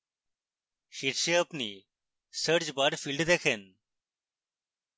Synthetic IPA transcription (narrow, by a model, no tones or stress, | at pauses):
ɕiɾɕeəpnḭ | səɾd͡ʑbaɾfilɖd̪ekʰen